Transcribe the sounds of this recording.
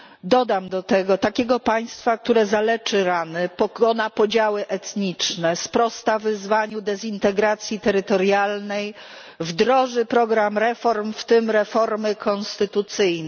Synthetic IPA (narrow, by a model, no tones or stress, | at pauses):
d̪ɔd̪amd̪ɔt̪ɛɡɔt̪akʲɛɡɔpaj̃st̪fak̚t̪uɾɛzalɛt͡ʂɘɾanɘpɔkɔnapɔd͡ʑawɘʔɛt̪ɲit͡ʂnɛspɾɔst̪avɘzvaɲud̪ɛzʲint̪ɛɡɾat̪sʲjit̪ɛɾɘt̪ɔɾjalnɛj | vd̪ɾɔʐɘpɾɔɡɾamɾɛfɔɾmft̪ɘmɾɛfɔɾmɘkʰɔnst̪ɘt̪ut̪sɘjnɛ